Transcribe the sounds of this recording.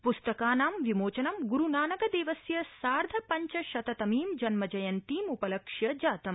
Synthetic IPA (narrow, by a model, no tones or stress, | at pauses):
pust̪ɐkaːnaːmʋimoːt͡ʃɐnɐmɡuɾunaːnɐɡɐd̪eːʋɐsjɐsaːɾd̪ʱɐpɐɲt͡ʃɐʃɐt̪ɐt̪ɐmiːmd͡ʒɐnmɐd͡ʒɐjɐnt̪iːmupɐlɐkʂjɐd͡ʒaːt̪ɐm